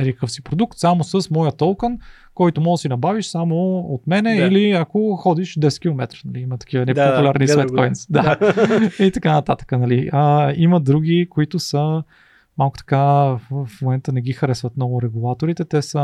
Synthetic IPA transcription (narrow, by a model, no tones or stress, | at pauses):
ɛɾikkɤəfsipɾod̪uk̚t̪samosəsmɔjət̪olˠkən | kɔjt̪omɔɡ̪əsinɐbaviʃsamoot̪mɛnɛiliakoxɔd̪iʃd̪ɛsɛt̪̚kʲilˠomɛt̪ɾnɐliimɐt̪ɐ̥kivənɛpopulʲaɾnisvɛkɔjnsd̪a | it̪ɐkanɐt̪at̪ə̥kənɐliəiməd̪ɾuɡ̟ikoit̪ʊsə | malˠkʊ̥t̪ɐ̥kafmomɛnt̪ənɛɡ̟ixɐɾɛsvət̪nɔɡʊɾɛɡulˠat̪oɾit̪ɛt̪ɛsə